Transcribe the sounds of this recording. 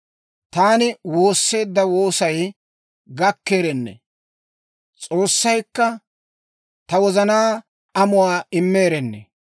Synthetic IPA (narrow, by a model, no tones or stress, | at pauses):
t̪aːnɪwo̞ːsːe̞ːd̪ːɐwo̞ːsɐj | ɡɐkːe̞ːɾɛnːɛ̰ | t͡sʼo̞ːsːɐjkːɐ | t̪ɐwɔzɐnaː | ɐmʊwaːɪmːeːɾɛnːɛ̰